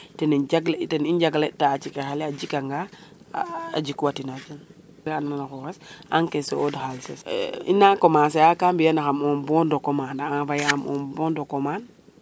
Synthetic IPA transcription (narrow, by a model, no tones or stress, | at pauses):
tenid͡ʒaɡltenind͡ʒaɡletaːt͡ʃikexaliad͡ʒikaŋɡa | a̰d͡ʒikuwatinad͡ʒan | ananaxɔɾesa̰ŋkeseodxalsesḭnːakomas̬ajakambijanaxamombɔndokomanaafajaamʔo̰mbondokoman